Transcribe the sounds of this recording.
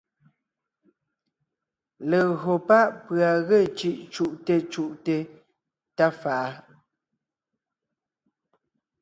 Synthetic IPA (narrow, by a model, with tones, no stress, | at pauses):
lə˨ɣo˨pa˦ʔpɰa˨ɣe˦˨t͡ʃi˦ʔt͡ʃu˦ʔte˦t͡ʃu˦ʔte˦ | ta˦fa˨ʔa˦